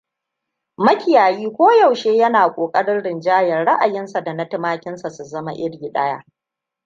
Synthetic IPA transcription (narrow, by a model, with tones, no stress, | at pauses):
mɐ˦kʲɪ˨jaː˨jiː˦kʷoː˦ja˨wʃeː˦jɐ˦naː˨kʷʼoː˨kʼɐ˦ɽɪ˦nɽɪ˨nd͡ʒaː˦jɐ˨rɽa˦ʔa˨jɪ˦nsa˨da˨nɐ˦tɪ˦maː˦kʲɪ˦nsa˨su˨zɐ˦ma˦ʔɪ˦ɽɡʲi˨ɗɐ̰˦ja̰˦